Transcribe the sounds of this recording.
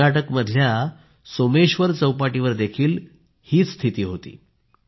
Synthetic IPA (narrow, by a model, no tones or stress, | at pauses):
aʈəkməd̪ʱlja | someɕʋəɾt͡səwpaʈiʋəɾd̪ekʰiːl | hiːt͡sst̪ʰit̪iːɦot̪ḭː